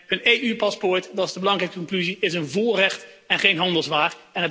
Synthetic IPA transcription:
əneːypɑspoɹtdɑsdəbəlɑŋrɛjkəkɔŋklyziɪsənvorɛχt | ɛnχejnɦɑndəlˠzʋaːrɛnət

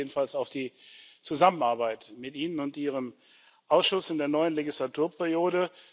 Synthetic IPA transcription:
dn̩falsaʊfd̥iːt͡suzamənaɐbaɪtmɪtʔiːnənʊntʔiːʁ̞əm | ʔaʊsʃʊsɪndeːɐnɔʏənleɡislatʰuːɐpʰɛʁijoːɾə

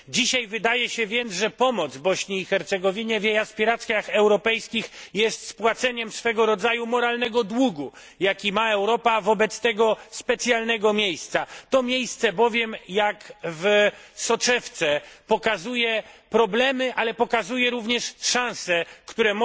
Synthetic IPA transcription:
d͡ʑiɕajvɘd̪ajɛɕɛvʲjɛnd̪ʐɛpɔmɔd̪zbɔɕɲiːxɛɾt̪sɛɡɔvʲiɲɛvʲjejaspʲiɾat̪sʲkʲjaxɛwɾɔpɛjskʲixjɛst̪spwat̪sɛɲɛmsfɛɡɔɾɔd̪zajumɔɾalnɛɡɔd̪wuɡu | jakʲimaɛwɾɔpavɔbɛt̪st̪ɛɡɔspɛt̪sʲjalnɛɡɔmʲejst̪sat̪ɔmʲjejst̪sɛbɔvʲjɛmjakvsɔt͡ʂɛft̪sɛpɔkazujɛpɾɔblɛmɘʔalɛpɔkazujɛɾuvɲɛʂʂãw̃sɛkt̪uɾɛm

